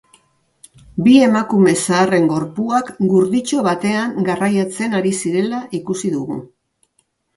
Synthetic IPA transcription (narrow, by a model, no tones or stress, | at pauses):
bie̞makume̞saːre̞ŋɡo̞ɾpuakɡuɾðit͡ʃo̞βat̪e̞aŋɡarajat͡se̞naɾisiɾe̞laʔikusiðuɣṵ